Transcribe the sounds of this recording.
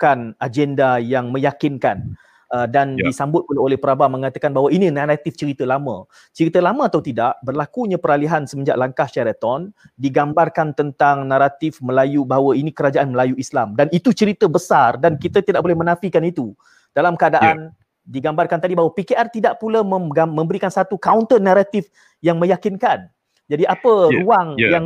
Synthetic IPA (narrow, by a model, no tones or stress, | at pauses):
kanad͡ʒɛndajaŋmə̃jakɪnkan | ədandisambʊt̪̚pulaolɛhpəɾabamə̃ŋat̪akanbaɦawainĩnaɾat̪ɪft͡ʃəɾit̪əlamə̰̃ | t͡ʃəɾit̪əlamə̃at̪awt̪idaʔbərlakuɲãpəɾaliɦansəməɲd͡ʒa̰ʔlaŋkahʃaɾat̪ɔn | diɡambarkant̪ənt̪aŋnãɾat̪ɪfməlajubaɦawəinĩkəɾad͡ʒaʔanməlajuislamdanit̪ut͡ʃəɾit̪əbəsardankit̪ət̪idaʔ̚bolɛhmənãfikanit̪u | d̥alamkəadaʔan | diɡambarkant̪adibaɦawapikeʔart̪idaʔpulaməɡamə̃mbəɾikansat̪ukaunt̪ənaɾat̪ɪf | jaŋmə̃jakinkan | d͡ʒadiʔapəruaŋjaŋ